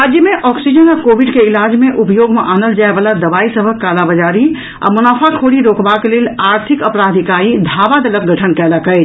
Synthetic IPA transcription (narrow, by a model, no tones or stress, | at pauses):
ad͡ʒjəmeʔɔksid͡ʒənakobiɖkeilad͡ʒmeʔupəjoɡmeʔanəld͡ʒaebalad̪əbaisəbʱəkːalabəd͡ʒaɾi | a̰munaːpʰakʰoɽiɾokbakelelaɾt̪ʰikəpɾad̪ʱikaĩd̪ʱaːbad̪ələk̚ɡʱəʈʰənkɛːləkə